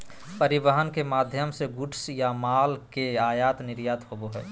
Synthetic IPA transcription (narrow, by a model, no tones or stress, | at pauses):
pəɾɪʋəɦənkemaːd̪ʱjəmseɡʊʈʰsjamaːlkeaːjaːt̪nɪɾjaːt̪ɦoboɦɛː